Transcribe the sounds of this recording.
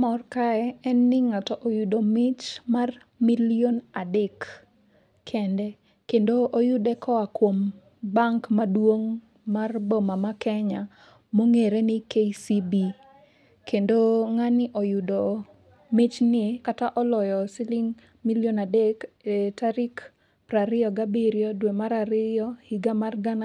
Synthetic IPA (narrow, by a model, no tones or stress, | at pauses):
mɔrkaɛɛnːɪŋatɔʔojudomɪt͡ʃmar | milionadɛkːʰ | ɛndɛ | kendoʔojʊdɛkʰɔakwom | baŋkmadwoŋ | marbɔmamakɛɲa | moŋeɾenɪkeisibi | kendoŋanɪʔɔjudɔ | mɪt͡ʃnɪkataʔɔlɔjɔsɪlɪŋ | miljonadekɛtaɾik | pɾaɾɪɔɡabiɾjɔdwemaɾaɾɪjɔhiɡamarɡana